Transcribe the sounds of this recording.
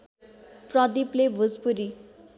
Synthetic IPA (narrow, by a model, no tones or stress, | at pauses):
prʌd̪iplebʱuzpuɾi